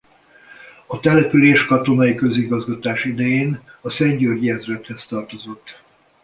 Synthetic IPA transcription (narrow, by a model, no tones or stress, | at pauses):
ɒt̪ɛlɛpyleːʃkɒt̪o̞nɒikø̞ziɡɒzɡɒt̪aːʃid̪ɛjeːnɒsɛɲɟørɟiɛzrɛt̪hɛst̪ɒrt̪o̞zo̞t̪ː